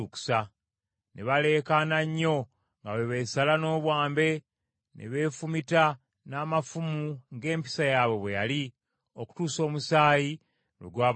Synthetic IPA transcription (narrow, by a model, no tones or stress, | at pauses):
uku̥sa | nʔeβale̞ːkanaɲːo̞ | ŋɡaweβe̞ːsalano̞ːβwaːmbe̞ | nʔḛβe̞ːfumita | naːmafumuŋɡe̞ːmpi̥sajaβe̞βwejali | oku̥tuːso̞ːmusaːji | nḛɡwaː